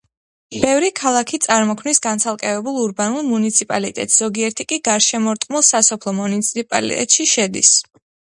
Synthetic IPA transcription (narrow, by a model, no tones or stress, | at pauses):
b̥ɛvɾikʰalˠakʰit̪sʼaɾmɔkʰmnisɡant̪sʰalˠkʼɛvɛbulˠuɾbanulˠmunit̪sʰipʼalḭt̪ʼɛ̰t̪ʼsz̥ɔɡiɛɾt̪ʰikʼiɡaɾʃɛmɔɾt̪ʼqʼmulˠsasɔpʰlˠɔmunit̪sʰipʼa̰lḭt̪ʼɛ̰t̪ʼʃiʃɛd̪ḭs